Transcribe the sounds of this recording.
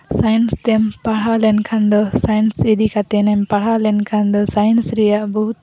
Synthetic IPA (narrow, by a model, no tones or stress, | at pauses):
sajnst̪empaɽ̤alɛnkʰand̪ɔsajnsed̪ikat̪enempaɽ̤alɛnkʰand̪ɔsajnsɾɛjaʔbɔɦut̪̚